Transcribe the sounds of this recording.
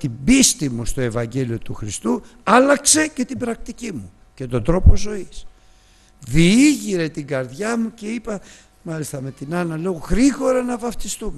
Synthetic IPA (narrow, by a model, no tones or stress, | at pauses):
t̪ibist̪imust̪o̞e̞vɐɲɟe̞lio̞t̪uxɾist̪u | ɐlɐkse̞ce̞t̪ibɾɐk̚t̪icimu | ce̞t̪o̞td̪ɾo̞po̞zo̞is | ðiiʝiɾe̞t̪iɡɐɾðʝɐmuce̞ipɐ | mɐlist̪ɐme̞t̪inɐnɐle̞oɣɾiɣo̞ɾɐnɐvɐft̪ist̪ume